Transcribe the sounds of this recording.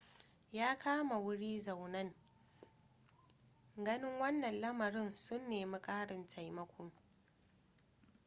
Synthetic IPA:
jaː˦kʰaː˦ma˨wʊ˦ɽiː˦za˨wnɐ˦ŋ | ɡɐ˦nɪ˦ŋwɐ˦nːɐ˨nlɐ˦mɐ˨ɾɪ˦nsʊ˦nːeː˨mɐ˦kʼaː˦ɽɪ˨ntʰa˨jmɐ˦kʷʊ˦ŋ

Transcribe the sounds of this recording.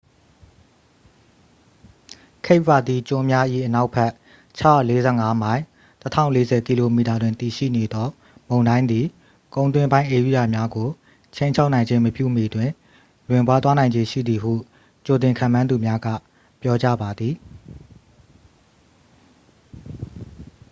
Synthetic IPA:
kʰe˦ɪʔpa˨d̪i˨t͡ɕʊ̃˦˨mja˦ʔḭ˦˨ʔəna˦ʊpʰɛ˦ʔ | t͡ɕʰa˦a˦˨le˦zɛ̰˦˨ŋa˦mã˦ɪ̃ | tətʰã̰˦˨ʊ̃le˦zɛ˨ki˨lo˨mi˨ta˨dwɪ̃˨nt̪i˨ʃḭ˦˨ne˨d̪ɔ˦ | mõ˨ʊ̃ndã˦ɪ̃nd̪i˨ | kõ˨ʊ̃nt̪wɪ̃˦mbã˦ɪ̃ʔe˨u˦˨a˨mja˦ɡo˨ | t͡ɕʰẽ˦ɪ̃ɲt͡ɕʰa˦ʊʔnã˨ɪ̃ɲd͡ʑẽ˦məpjṵ˦˨me˨dwɪ̃˨ | lwɪ̃˨mpwa˦t̪wa˦nã˨ɪ̃ɲd͡ʑe˨ʃḭ˦˨d̪i˨ɦṵ˦˨ | t͡ɕo˨t̪̬ɪ̃˨ŋkʰã̰˦˨mã˦nd̪u˨mja˦ɡa̰˦˨ | pjɔ˦t͡ɕa̰˦˨ba˨d̪ði˨

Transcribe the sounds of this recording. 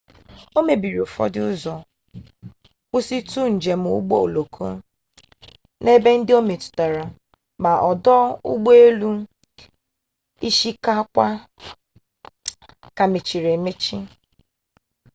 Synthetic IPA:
o˦me˨bi˨ɾi˨fɔ̰˦dɪ˦ʊ˦zɔ˨ | kʷu˦si˦tu˦n̩˨d͡ʒe˨m̩˨ṵ˦ɡ͡bo˦o˨lo˨kʰo˦ | ne˦be˦n̩˦dɪ˦o˦me˨tʊ̥˨ta˨ɾa˨ | ma˨ʔɔ˨dɔ˦ʊ̰˦ɡ͡bo˦e˦lu˦ | i˦ʃi˦ka˦kʷa˦ | ka˨me˨t͡ʃi˨ɾe˨me˦t͡ʃi˦

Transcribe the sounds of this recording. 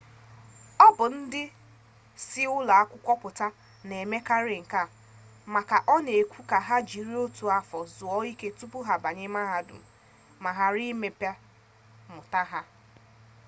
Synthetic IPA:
ɔ˦bʊ˨n̩˦dɪ˦ | si˦ʊ˦la˨a˦kʷʊ˦kʷɔ˦pʊ˨ta˦ | ne˨me˦ka˦ɾɪ˨ŋ̩˨ka˦˨ | ma˨ka˨ʔɔ˦ne˨kʷu˦ka˨ɦa˦d͡ʒi˨ɾi˦o˦tu˨a˨fɔ˨zʊ˨ɔ˦i˦ke˦tu˦pʊ˦ɦa˨ba˨ɲe˦ma˦ɦa˦dʊ̰˨m̩˨ | ma˨ɦa˨ɾi˦me˨pa˦ | mʊ˨ta˦ɦa˦

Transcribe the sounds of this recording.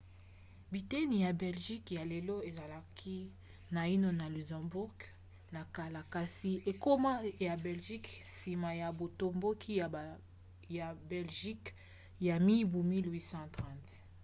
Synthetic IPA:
bi˨te˦ni˨ja˨bɛ˨lʒi˦kja˨le˨lo˦e˨za˨la˨kʰi˦ | na˨i˦no˦na˨lu˨zã˨bu˦ʁɡ | na˨ka˨la˨ka˨si˨e˨ko˦ma˦ja˨bɛ˨lʒi˦ksi˨ma˨ja˨bo˨to˨mbo˦kʰi˦˨ | ja˨bɛ˨lʒi˦k | ja˨mi˦bu˨mi˦lwi˦sɑ̃˦tʁã˦˨t

